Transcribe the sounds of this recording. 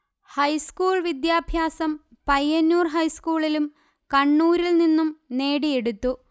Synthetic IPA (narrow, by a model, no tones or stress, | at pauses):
hɐjskuːɭʋid̪jaːbʱjaːsɐm | pɐjːɐnːuːrɦɐjskuːɭilum | kɐɳːuːɾilninːumne̞ːɽije̞ɽut̪ːu